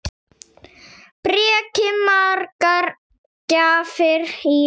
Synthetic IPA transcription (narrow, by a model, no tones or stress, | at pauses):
pɾiɛɛːkɪmaɾkaɾ | caːfɪɾi